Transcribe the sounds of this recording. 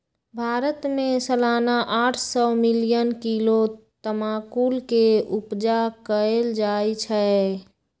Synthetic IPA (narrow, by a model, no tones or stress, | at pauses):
bʱaːɾət̪mẽsəlaːnaʔaːʈʰsɔmɪlijənkilot̪əmaːkuːlkeupd͡ʒakəeld͡ʒaːjt͡ʃʰɛ